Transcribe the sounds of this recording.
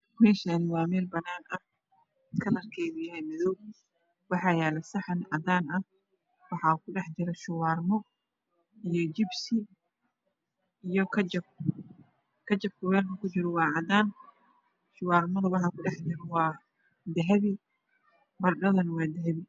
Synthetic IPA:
mɛːʃɐnɪwɑːmɛːlbɐnːaːnʔɐh | kʰɐlɐrkʰɛjðʊjɐɦɛjmɪðɔw | wɑħɑjɛːlɛsɑħɑnʕɑd̪aːnɐh | wɑħɑkʰʊɖɛħt͡ʃɪɾɐʃʊwaːrmɔ | ijɔt͡ʃɪbsɪ | ijɔkʰɐt͡ʃɐb̚ | kʰɐt͡ʃɐb̚kʰʊwɛːrnɐkʰʊt͡ʃɪɾɔwɑːʕɑd̪aːn | ʃʊwɑːrmɐðɐwɑħɑkʰʊɖɛħd͡ʒɪɾɐwɑː | d̪ɐɦɐβi | bɐrɖɐðɐnɐwɑːd̪ɐɦɐβɪ

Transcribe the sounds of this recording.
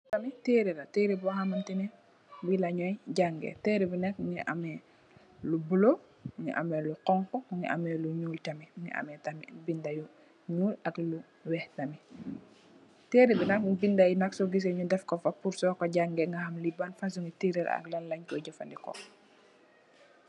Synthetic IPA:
tɐmiteɾiɾateːɾibɔhamantinɛ | bilaɲɔjɟaŋɡɛ̰teːɾibinɐk̚ŋɡḭʔa̰mɛ | lubulo | ŋḭʔa̰mɛluqɔŋkɔuŋɡḭʔa̰mɛluɲuːltamiŋḭa̰mɛtamibindaju | ɲuːlaklu | wɛhtɐmi | teːɾibinɐkŋbindajnɐksɔɡis̬ɛɲudɛfkɔfapuɾsɔkoɟaŋɡɛŋɡahamlibanfas̬uŋɡitiɾɛɾa̰a̰klanlaɲkɔɟɔfandikɔ̰

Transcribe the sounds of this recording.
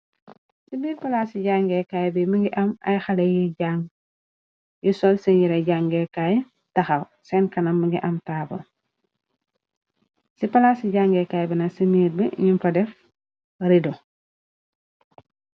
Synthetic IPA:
sibiːɾpɐlaːsiɟaŋɡɛkajbimiŋɡiʔɐmɐ̰jxalejiɟaŋɡ | jisɔlsɛnjiɾɐɟaŋɡɛkaj | tɐxɐw | sɛnkɐnɐmːiŋɡiʔɐmtaːbɐ̰ | sipɐlaːsiɟaŋɡɛkajbinɐsimiːɾbiɲimfɐdɛf | ɾido

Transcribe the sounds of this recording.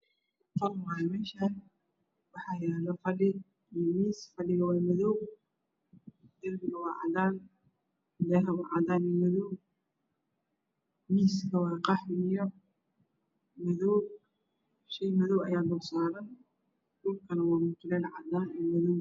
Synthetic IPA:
fɐrmaɐmɛːʃɐn | wɑħɑːjɛːlɐfɐɖɪ | miːsfɐɖɪɣɐwɑːmɐðɔw | d̪ɐlbɪɣɐwɑːʕɑ̰d̪aːn | lɛɦɐwɑʕɑd̪aːnɛmɐðɔw | miːskʰɐwɑːqɑħɪjɔ | mɐðɔw | ʃɛjmɐðɔwɐjaːlʊːsaːɾɐn | dʊlkʰɐnɐwɑːmʊt̪ʰʊlɛlʕɑ̰d̪aːnɛːmɐðɔw

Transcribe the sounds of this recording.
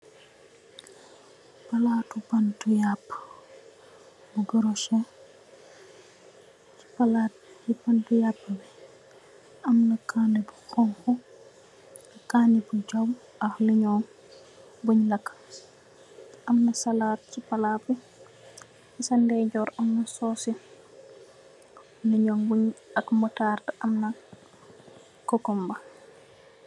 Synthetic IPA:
palatupantujapː | buɡəɾɔsɛ | t͡ʃi̥palat̚ibantujapːabɛ | ʔamnakʰaːnibuxɔŋkɔ | akaːnibud͡ʒaw | axliɲɔn | buɲlakː | ʔamnasalaːt̚t͡ʃipalaːpi | isandɛd͡ʒɔːɾamnasɔːsi | liɲɔːnbuɲakmɔtartaʔamna | kɔkɔmba

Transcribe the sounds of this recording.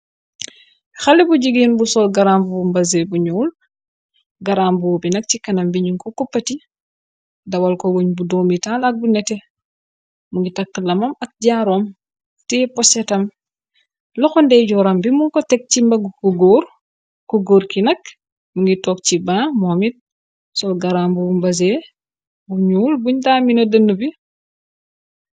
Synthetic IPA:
xɐlɛbuɟiɡinbusɔːlɡɐɾaːmbuumbɐzebuɲɔːl | ɡɐɾambuwbinɐk̚cikɐnɐmbiɲuŋkɔkupːɐti | dɐwɐlkɔwoɲbudomitalɐk̚bunɛtɛ | muŋɡitɐk̚tːəlɐmɐmɐk̚ɟaːɾɔːm | tɛpɔsɛtɐm | lɔxɔndɛɟɔɾɐmbimuŋkɔtɛk̚t͡ʃimbɐɡkuɡoːɾ | kuɡoːɾkinɐk | muŋɡitɔːk̚cibaːmɔmit̚ | sɔlɡɐɾambubumbɐzɛ | buɲuːlbuɲdaːminɐdənːəbi

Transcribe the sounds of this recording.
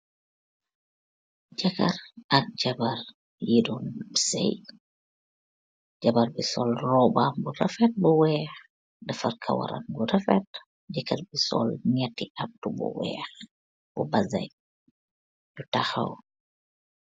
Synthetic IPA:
d͡ʒɐkɐrɐk̚d͡ʒɐbɐr | jidɔnbisɛ̰j | d͡ʒɐbɐɾbisɔlrɔbaːmburɐfɛt̚buwɛːx | dɐfɐrkʰɐ̰wɐ̰ɾɐ̰nbuɾɐfɛt̚ | d͡ʒɐkɐrbisɔ̰lɲɛtːiʔɐp̚dubṵwɛ̰ːx | b̥ubɐzɐ̰j | dutɐxɐ̰w

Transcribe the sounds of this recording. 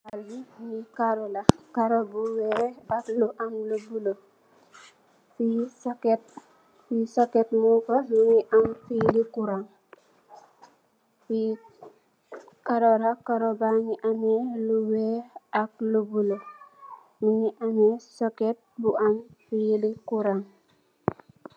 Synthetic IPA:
albiɲikaɾolakaɾobuweɾakluʔamlubulo | fisket̚ | fisoketmukomiɲiʔamfilikuɾaŋ | i | kaɾoɾakaɾobaɲiʔameluweak̚lubulo | miɲiʔamesoket̚buʔamfijilikuɾaŋ

